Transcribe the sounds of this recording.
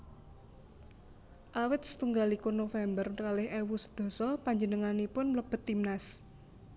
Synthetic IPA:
ʔawɪt̪̚sə̥t̪uŋɡalikʊnofɛmbərkalɪhɛwusə̥d̪̥ɔ̤sɔpaɲd͡ʒənəŋanipʊnmləb̥ə̤t̪imnas

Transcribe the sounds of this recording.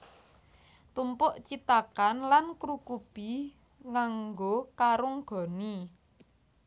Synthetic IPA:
t̪umpʊʔt͡ʃit̪akanlankɾukub̥i | ŋaŋɡokaɾʊŋɡ̥ɔ̤ni

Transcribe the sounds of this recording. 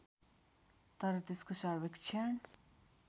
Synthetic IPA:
t̪ʌɾʌt̪eskosaɾbekt͡ʃʰeɳ

